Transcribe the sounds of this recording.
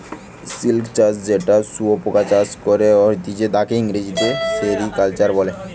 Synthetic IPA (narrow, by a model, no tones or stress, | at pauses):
silkt͡ɕad͡ʑd͡ʑeʈasuopokat͡ɕaskoɾeɔɾt̪id͡ʑed̪akeiŋɾed͡ʑit̪eseɾikalt͡ɕaɾbɔle